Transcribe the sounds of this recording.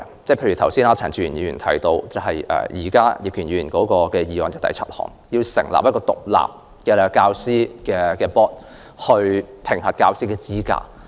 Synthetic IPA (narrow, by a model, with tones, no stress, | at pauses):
t͡sɛ˥˩pʰe˧jɥy˨˩t̪ɐ˨˩wsiː˥naː˥t͡sʰaː˨˩ŋt͡syː˧˩jy˨˩njiː˧˩yː˨˩nt̪ʰɐ̰˨˥jt̪o˧wt͡sɐ˨˧ɦɐ˨jʔɛ̰ː˨˩jiː˨˩kaː˥jɪ˨k̚jyː˨˩njyː˨˧jyː˨˩nkɔː˨˥kɔː˧kɛː˧jiː˨˧waː˨njɪ˧k̚t̪ɐ̰˨jt͡sʰɐ˥t̚hɔ̰ː˨˩ŋjiː˧wsɪ˨˩ŋla̰˨pjɐ˥kɔː˧t̪ʊ̰˨k̚la̰ː˨p̚ | kɛː˧kaː˧wsiː˥kɛː˧kɛː˧pɔː˥t̚ | hɵ˧ɥpʰɪ˨˩ŋhɐ˨t̚kaː˧wsiː˥kɛː˧t͡siː˥ka̰ː˧˩